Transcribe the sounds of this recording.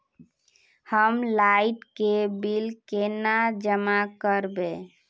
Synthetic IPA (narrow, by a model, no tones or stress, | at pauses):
həmlaiʈkebilkenad͡ʒəmakəɾbe